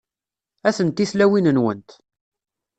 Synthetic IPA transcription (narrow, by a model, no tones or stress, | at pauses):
æθənt̪ːiθlæwinənwənt̪